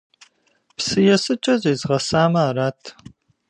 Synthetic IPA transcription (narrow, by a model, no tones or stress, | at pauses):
psɨjɛsɨt͡ʃʼɐzʼeːzʁɐsaːmɐaːraːtʰ